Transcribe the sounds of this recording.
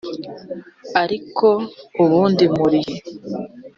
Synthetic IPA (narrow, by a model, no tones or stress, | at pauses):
aɾiko̞uβuːndimuɾiji